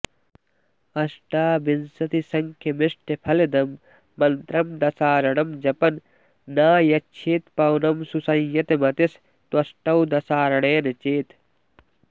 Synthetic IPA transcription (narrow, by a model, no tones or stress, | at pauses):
ɐsʈaːbinsɐt̪isɐŋkʰjɐmɪʂʈʰepʰɐled̪ɐmː | ɐnt̪ɾɐmd̪ɐsaːɾɐɳɐmd͡ʒɐpɐnː | aːjɐt͡ʃʰeːt̪pɐwnɐmsusɐjjɐt̪emɐt̪is | t̪wɐsʈɐwd̪ɐsaːɾɐɽ̃eːnet͡ʃeːt̪